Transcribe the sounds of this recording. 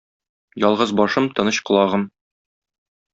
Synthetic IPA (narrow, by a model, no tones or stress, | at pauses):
jɒlˠʁɤzbɒʃɤmt̪ɤ̆nɤɕqɤ̆lˠɑʁɤm